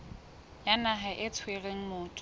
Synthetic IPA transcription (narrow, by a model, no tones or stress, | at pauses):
janaɦaʔɪt͡sʰwereŋ̩mʊːtʼ